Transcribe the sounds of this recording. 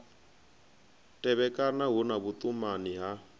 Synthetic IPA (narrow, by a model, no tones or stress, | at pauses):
tʼɛβɛkʼanaɦunaβut̪ʼumaniɦa